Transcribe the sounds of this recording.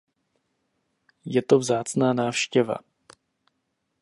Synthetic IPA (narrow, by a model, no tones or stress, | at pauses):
jɛt̪o̞vzaːt͡snaːnaːfʃcɛva̰